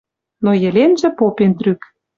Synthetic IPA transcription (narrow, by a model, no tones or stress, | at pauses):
nojə̆lʲenʒə̆popent̪ryk